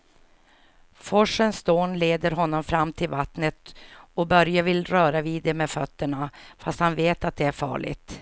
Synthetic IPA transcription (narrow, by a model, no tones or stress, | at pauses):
fɔʂənsd̪oːnleːd̪əɾɦɔnːɔmfɾamːt̪ʰɪlvat̪nət̪ɔbœɾjavɪlɾœːɾaviːd̪ɛmɛfœt̪ːəɳafast̪hanveːt̪at̪̚d̪ɛæɾfɑ̰ːɭɪ̰t̪